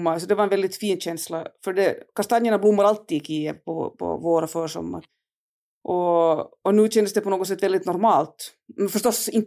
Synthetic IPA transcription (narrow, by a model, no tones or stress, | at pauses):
mːaɾsɔd̪ɛvaɾɛnvɛld̪ɪt̪fiːnːɕɛnslafœɖɛkaʂt̪anjəɳablʊmːaɾalt̪ːiːd̪kʰiːəpʰɔpʰɔ̰voːɾafœːɾʂɔ̰mːa̰ɾ | ʔɔɔnʉ̟ːɕɛnd̪əsd̪ɛpʰɔnoːɡɔsɛt̪ːʋvɛld̪ɪt̪nɔɾmɑːlt̪ | mɛfœʂt̪ɔsɪnt̪